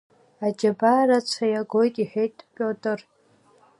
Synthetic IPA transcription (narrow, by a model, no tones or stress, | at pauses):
ad͡ʒabarat͡ʃʷʰajaɡojtʼiħejtʼpʲʼotʼɨr